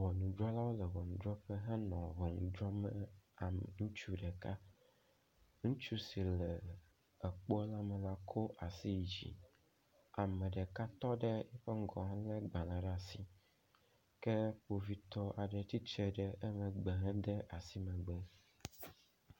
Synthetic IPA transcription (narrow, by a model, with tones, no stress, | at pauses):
wɔ˨nũ˨d̪ɾɔ˦la˦wo˦lɛ˨vɔ˨nũ˨d̪ɾɔ˦ɸɛ˦ɦɛ̃˦nɔ̃˨vɔ˨ŋũ˨d̪ɾɔ˦mɛ˦a˨ŋũ˦t͡ʃu˦ɖɛ˨ka˦ | ŋũ˦t͡ʃu˦si˨lɛ˨ | ɛ˨k͡po˦la˦mɛ˨la˦kʰo˦ʔa˨si˦˨d͡ʑḭ˨ | a˨mɛ̃˨ɖɛ˨ka˦t̪ɔ˦ɖɛ˦jɛ˦ɸe˦ŋ̩˦ɡɔ̃˨ɦã˦lɛ˦ɡ͡bã˨lã˨ɖa˨si˦ | ke˦ɸo˨vi˦t̪ɔ˦a˨ɖɛ˨t̪i˦t͡ʃe˨ɖɛ˦e˦mɛ̃˨ɡ͡bɛ˨ɦɛ̃˦d̪ɛ˦ʔa˨si˦mɛ̃˨ɡ͡bɛ˦